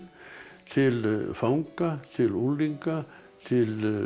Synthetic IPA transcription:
silfɑuŋkːɑsielulːiŋkɑ | sil

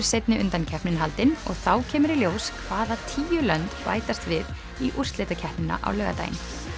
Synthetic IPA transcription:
ɾ̥sejt̪nɪʔʏnt̪ancʰɛhpnɪnɦalt̪ɪnɔ̰ɣθawcʰɛːmʏɾiljoːwskʰvaːðat̪ʰiːjʏlœnt̪pa̰ːjt̪ast̪vɪð | iʔur̥st̪leːt̪acʰɛhpnɪna̰ʔa̰wlœːɣa̰t̪a̰jɪ̰n

